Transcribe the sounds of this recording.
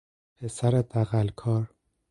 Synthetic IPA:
pʰesæɾed̪æɣælkʰɒːɾ

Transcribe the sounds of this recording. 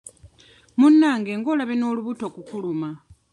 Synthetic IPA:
munːaŋɡeŋɡolaβinoluβutokukuluma

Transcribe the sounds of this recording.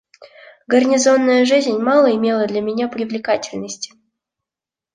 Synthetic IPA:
ɡərnʲɪzo̞nːəjəʐɨzʲnʲmɑlˠəɪmʲelˠəd̪lʲɐmʲɪnʲapɾʲɪvlʲɪkatʲɪlʲnəsʲtʲɪ̥

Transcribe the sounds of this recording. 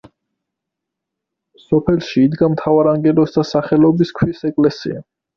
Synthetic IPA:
sɔpʰɛlˠʃiːd̪ɡamt̪ʰavaɾaŋɡɛlɔsd̪asaχɛlɔbiskʰwisɛkʼlɛsḭa

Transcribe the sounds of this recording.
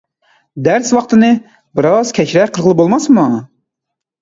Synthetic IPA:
d̪æɾswɑqt̪ɨnɨ | bɪɾɑz̥kʲʰɛt͡ʃɾɛqʰəlˠʁəlˠɨpbolˠmɑsmɑ

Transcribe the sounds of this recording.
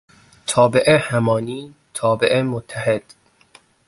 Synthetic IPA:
t̪ʰɒːbeʔehæmɒːniːt̪ʰɒːbeʔemot̪ʰːæhed̪̥

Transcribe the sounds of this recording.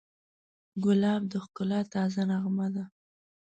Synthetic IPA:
ɡʊlɑbd̪əxkʊlɑt̪ɑzanaɣmad̪a

